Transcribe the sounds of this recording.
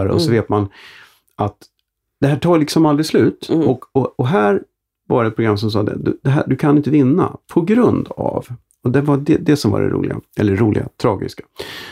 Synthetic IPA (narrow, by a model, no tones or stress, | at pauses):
ɾɔ̰sɔveːt̪man | ʔat̪ | d̪̥ɛɦæːʈʰɑːlɪksɔmald̪ɾɪɡslʉ̟ːt̪ɔkɔɔɦæːɾ | vaɾɛt̪̚pɾʊɡɾamːs̬ɔms̬ɑːd̪ɛ̰d̪ɵd̪ɛɦæ̰ːɖɵkʰanɪnt̪əvɪnːa̰pʰɔɡɾɵnd̪a̰v | ɔd̪ɛvadɛd̪ɛsɔmva̰ɖɛ̰ɾʔṵːlɪ̰ɡa̰ʔɛlːəɾuːlʔɪ̰ɡat̪ʰɾɑːɡɪ̰skḁ